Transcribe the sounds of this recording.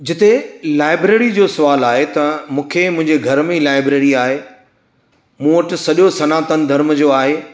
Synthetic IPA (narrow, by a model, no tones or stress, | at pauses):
d͡ʑɪt̪elaːɪbɾeːɾid͡ʑoːsɐʋaːlaːɦet̪ɐmũːkʰemʊ̃ɦɪ̃ɲd͡ʑeɡʱɐɾmẽilaːɪbɾeːɾiaːɦe | mũːʋɐʈɪ̆sɐʄosɐnaːt̪ənɪ̆d̪ʱɐɾmd͡ʑoːaːɦe